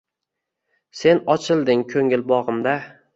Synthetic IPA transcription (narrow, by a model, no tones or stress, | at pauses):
se̞nɒt͡ʃʰɪlˠd̪ɪŋkʰɵŋɪlbɒʁɨmd̪a